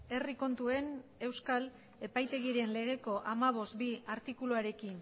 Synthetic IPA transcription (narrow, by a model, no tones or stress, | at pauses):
e̞riko̞nt̪ue̞ne̞wskal | e̞pajt̪e̞ɣ̞iɾe̞nle̞ɣ̞e̞ko̞ʔamaβ̞o̞st̪̚biaɾt̪ikuluaɾe̞kin